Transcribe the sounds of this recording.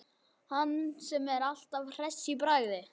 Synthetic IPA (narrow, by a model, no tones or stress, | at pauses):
hanːsɛmɛɾal̥t̪avr̥ɛsːipɾaɣðɪ